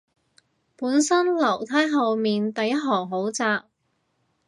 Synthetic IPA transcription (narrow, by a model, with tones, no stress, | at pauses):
puː˨˥nsɐ˥nlɐ˨˩wt̪ʰɐː˥jɦɐ˨˧wmiː˨nt̪ɐ˨jːɐ˥t̚ɦɔː˨˩ɦo˨˥wt͡saː˧k̚